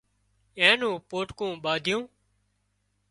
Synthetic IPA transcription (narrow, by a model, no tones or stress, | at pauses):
ẽːnũːpoːʈkõːɓaːd̪ʱjõː